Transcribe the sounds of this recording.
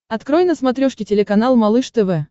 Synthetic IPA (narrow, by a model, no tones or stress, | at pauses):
ɐt̪kɾojnəsmɐt̪ɾʲoʂkʲɪtʲɪlʲɪkɐnalˠmɐlˠɨʂt̪ɛvɛ